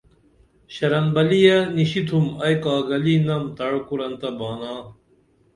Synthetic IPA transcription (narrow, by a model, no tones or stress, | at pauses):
ɕɐɾɐnbɐlijɐniɕit̪ʰumɐjkaːɡɐlinɐmt̪ɐɻkuɾɐnt̪ɐbaːnaː